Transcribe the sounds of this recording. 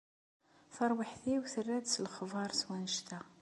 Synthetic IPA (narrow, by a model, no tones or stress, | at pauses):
θɑɾˤwəħθiwθərːæd̪slχvɑɾˤswænəʃt̪æ